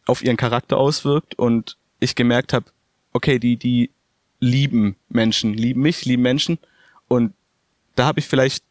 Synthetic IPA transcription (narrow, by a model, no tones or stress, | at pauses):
ʔaʊfʔiːʁənkʰaʁak̚tɐ̰ʔaʊsv̥ɪɐk̚tʔʊnt | ʔɪçɡ̥əmɛɐkthaːb | ʔokʰeːdiːdiː | liːbm̩mɛnʃn̩liːbm̩mɪçliːbm̩mɛnʃn̩ | ʔʊnt̚ | d̥aːhaːbəɪçfɪlaɪçt̚